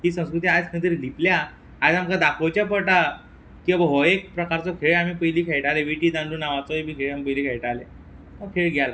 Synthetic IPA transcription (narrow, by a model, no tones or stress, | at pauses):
t̪iːsə̃w̃skɾut̪̬iːad͡zkʰənt̪̬iɾd̪ʱipljaː | d͡zamkad̪akot͡ɕjapəʈa | kĩabɦɔek̚pɾəkaɾt͡sɔkʰeɭamiːpəjliːkʰejʈaleʋiʈiːd̪ãɳɖuːnaʋat͡sɔibiːkʰeɭamipəjliːkʰejʈale | mɔkʰeɭɡala